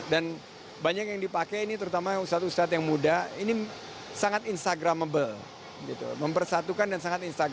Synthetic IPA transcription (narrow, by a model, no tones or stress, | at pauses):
dan | baɲak̚jaŋdipakɛinit̪əɾut̪amaust̪at̪ust̪at̪jaŋmudaini | saŋat̪inst̪aɡɾamːəbəl | ɡit̪ṵməmpərsat̪ukandansaŋat̪inst̪aɡ